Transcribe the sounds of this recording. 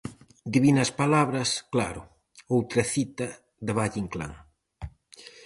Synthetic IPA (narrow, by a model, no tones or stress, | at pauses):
d̪iβinɐspalaβɾɐskla̰ɾʊ | owt̪ɾɐθit̪ɐ | ðɪβaʎiŋkla̰ŋ